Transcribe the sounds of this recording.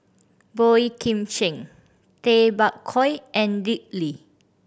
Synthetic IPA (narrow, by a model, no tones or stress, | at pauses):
bɔikʰĩmt͡ʃɛ̃ŋ | t̪ebakkʰːɔjʔɛ̃ndik̚li